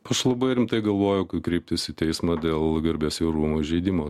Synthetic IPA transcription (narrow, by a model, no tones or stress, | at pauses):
ɐʃlˠɐbɐɪɾʲɪmt̪ɐɪɡɐlˠʋoːjʊkɐtkɾʲɛɪpʲt̪ʲɪsɪt̪ʲɛɪsmɑd̪ʲeːlˠɡʲɐɾʲbʲeːsɪɾuːmoːʒʲɛɪd̪ʲɪmoː